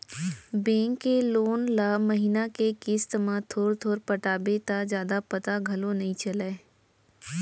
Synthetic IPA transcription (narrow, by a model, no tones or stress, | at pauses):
bẽːŋkːeloːnlaːməɦinakekɪst̪mãt̪ʰoːɾt̪ʰoːɾpəʈaːbet̪ad͡ʒjaːd̪apɐt̪aɡʱɐlonɐɦĩt͡ʃɐleː